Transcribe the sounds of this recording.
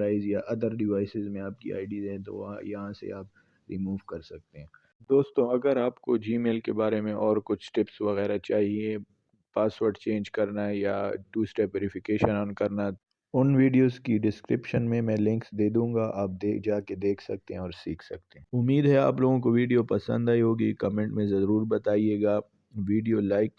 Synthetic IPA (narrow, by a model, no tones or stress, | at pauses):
ɾaːɪzjaʔɐd̪əɾɖɪʋaːɪsɪzmẽaːp̚kḭa̰ːɪɖiːzɦɛ̃t̪o̰ʋ̃jɐɦãsḛaːp̚ | ɾiːmuːʋkɐɾsɐk̚t̪eɦɛ̃ː | d̪oːst̪õɐɡəɾaːpkod͡ʒiːmeːlkebaːɾemẽʔɔːɾkʊt͡ʃʰʈɪpsʋɐɣɛːɾat͡ʃaːɦie | paːsʋəɾɖt͡ʃẽːnd͡ʒkɐɾnaja̰ʈuːsʈeʋeːɾɪfʰɪkeːʃənɔːnkɐɾna | ʊnʋiːɖijoːzkiɖɪskɾɪpʃənmẽmɛ̃ːlɪ̃ŋksd̪eːd̪ũːŋɡaʔaːp̚d̪eːd͡ʒaːked̪eːkʰsɐk̚t̪eɦɛ̃ɔːɾsiːkʰsɐk̚t̪eɦɛ̃ʊmːiːd̪ɦɛa̰ːploːɡõk̬oʋiːɖijopɐsə̰̃nd̪aːiɦoːɡikɐmẽːɳʈmẽzɐɾuːɾbɐt̪aːieːɡaː | ʋiːɖijolaːɪk